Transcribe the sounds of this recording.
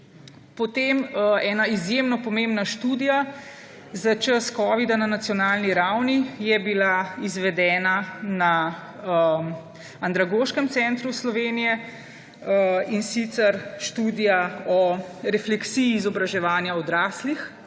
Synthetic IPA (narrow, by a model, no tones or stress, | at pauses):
pɔt̪emɛːnaizjemnɔpɔmembnaʃt̪uːd̪ija | zat͡ʃəskɔːʋid̪ananat̪sijɔnaːlniɾawnijɛbilaizʋɛd̪ɛːnana | nd̪ɾaɡoːʃkɛmt̪sɛnt̪ɾuslɔʋeːnijɛ | insit̪sɛɾʃt̪uːd̪ijaɔɾɛflɛksijiːzɔbɾaʒɛʋaːnjaɔd̪ɾaːslix